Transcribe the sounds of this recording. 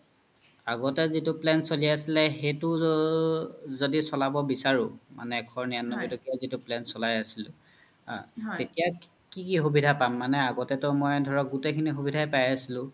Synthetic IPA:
aɡɔtɛzitʊplɛnsolijasilɛxetʊ | zodisɔlabɔbisaɹʊ̰ma̰nɛːkʰɔɹnijanːɔbidɔkiazitʊplɛnsɔlajasilʊ̃ | tetija | kikixubidʱapamːanɛaɡɔtɛtʊmɔjdʱɔɹɔk̚ɡutekʰinixubidʱajpajasilʊ̃

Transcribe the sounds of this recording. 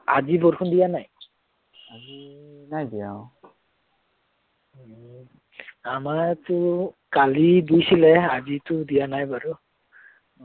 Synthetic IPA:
azibɔɹkʰundijanaj | ainajdijaw | amatʊkaliɡujsilɛazitʊdijanajbaɹu

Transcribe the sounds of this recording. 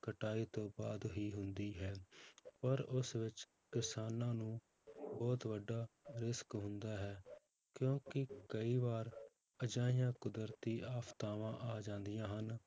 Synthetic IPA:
kəʈaːiːt̪õːbaːd̪ɦiːɦʊnd̪iːɦɛːpəɾʊsʋɪt͡ʃ | kɪsaːnãːnũː | bɔːt̪ʋəɖːaːɾɪskɦʊnd̪aːɦɛː | kjõːkɪkəiːbaːɾ | əd͡ʒãːɪjãːkʊd̪əɾt̪iːʔaːpt̪aːʋãːʔaːd͡ʒãːnd̪ijãːɦən

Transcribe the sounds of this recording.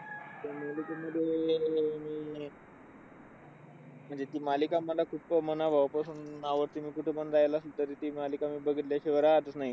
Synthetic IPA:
t̪jamalikaməd̪ʱjemiː | m̤əɳd͡zet̪iːmalikamːəlakʰupmənaʋʱaʋwpəsunaʋəɾt̪imiːkuʈʰepənd̪ajelaəslət̪əɾit̪iːmalikamiːbəɡʱit̪ljaɕiʋəɾat̪ət͡ssnaɦi

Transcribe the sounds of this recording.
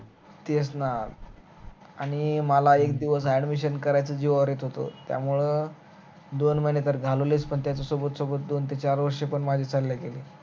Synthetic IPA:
t̪esnal | aɽ̃iməlaek̚d̪iʋəs̬aɖmiɕənkəɾajt͡səd͡ʑiʋaʋɾit̪ɦot̪o̰t̪ja̰muɭe | d̪onməjnet̪əɾɡʱaloliːspəɳt̪jat͡sasɔbət̪sɔbət̪̚d̪ont̪et͡ɕaɾʋəɾʂepəɳmad͡ʑʱit͡salːjakeleː

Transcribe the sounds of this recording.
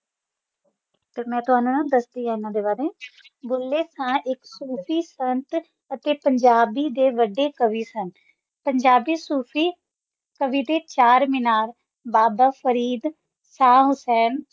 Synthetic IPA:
t̪eːmɛ̃ːt̪ʊɦaːnũːnãːd̪əsd̪iːɦãːɪnãːd̪eːbaːɾeː | bolːeːsãːʔɪksuːpʰiːsənt̪ | ət̪eːpəɲd͡ʒaːbiːd̪eːʋəɖeːkəʋiːsən | pəɲd͡ʒaːbiːsuːpʰiː | kəʋiːd̪eːt͡ʃaːɾmɪnaːɾ | baːbaːfʰəɾiːd̪ | saːɦʊsɛːn

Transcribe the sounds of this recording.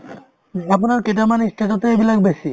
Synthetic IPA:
aponaɾkeʈ̬amanisʈʰat̪at̪eebilakbesi

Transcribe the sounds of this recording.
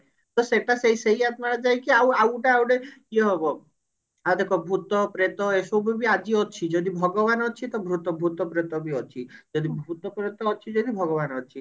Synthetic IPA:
t̪ɔseʈaseiseiat̪maɽad͡ʒajkiawawʈaːwɽekiɔɦɔbɔ | ad̪ekʰɔbʱut̪ɔpɾet̪ɔesobʱibiad͡ʒiɔt͡ʃʰid͡ʒɔd̪ibʱɔɡɔbanɔt͡ʃʰit̪ɔbʱɾut̪ɔbʱut̪ɔpɾet̪ɔbiɔt͡ʃʰid͡ʒɔd̪ibʱut̪ɔpɾet̪ɔːt͡ʃʰid͡ʒɔd̪ibʱɔɡɔbanɔt͡ʃʰi

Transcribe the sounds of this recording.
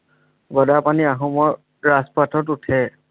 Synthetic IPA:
ɡɔdapaniaɦɔmɔɹ | ɹaspatɔtutʰɛ

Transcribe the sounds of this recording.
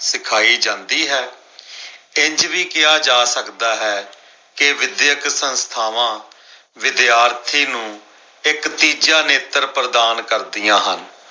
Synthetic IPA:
sɪkʰaːiːd͡ʒãːnd̪iːɦɛː | ɪɲd͡ʒʋiːkɪjaːd͡ʒaːsəkd̪aːɦɛː | kɪʋɪd̪jəksənst̪ʰaːʋãː | ʋɪd̪jaːɾt̪ʰiːnũː | ɪkt̪iːd͡ʒaːneːt̪əɾpɾəd̪aːnkəɾd̪ijãːɦən

